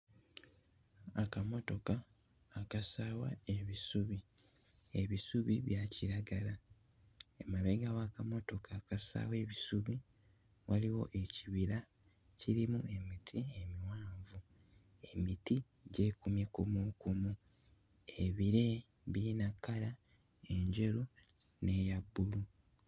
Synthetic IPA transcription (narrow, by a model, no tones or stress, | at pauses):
akamo̞to̞kaː | kasaːwa̰e̞βisuβi | eβisuβiβjaciɾaɡala | emaβeɡawakamo̞to̞kʰaːkasa̰ːwe̞ːβisuβi | waliwo̞̰ʔe̞ciβiɾa | ciɾimue̞mitʰie̞miwaːɱvu | emiti | ɟe̞ːkumjekumukumu | eβiɾe̞ | βiinakːala | e̞ɲɟe̞ɾu | ne̞ːjabːulu